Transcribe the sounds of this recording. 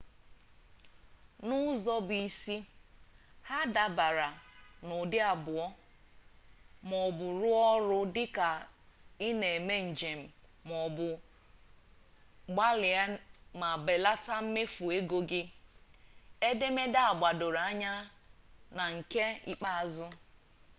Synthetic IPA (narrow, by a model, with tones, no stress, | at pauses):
nʊ˦zɔ˦bi˨si˦ | ha˦da˨ba˨ɾa˨nʊ˨dɪ˦a˨bʊ˨ɔ˦ | mɔ˨bʊ˨ɾʊ˦ɔ˦ɾʊ˦dɪ˦ka˨i˦ne˨e˨me˦n̩˨d͡ʒe˨m̩˨mɔ˨bʊ˨ | ɡ͡ba˦lɪ˨a˦ma˨be˨la˦ta˦m̩˦me˦fu˨e˦ɡo˦ɡɪ˦ | e˦de˦me˦da˦a˨ɡ͡ba˨do˨ɾa˦ɲa˦ | na˨ŋ̩˨ke˦ḭ˦k͡pa˦˨zʊ˦